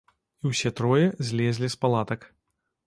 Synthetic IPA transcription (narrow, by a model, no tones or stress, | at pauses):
iwsʲɛt̪ɾɔjɛzʲlʲɛzʲlʲispalˠat̪ɐk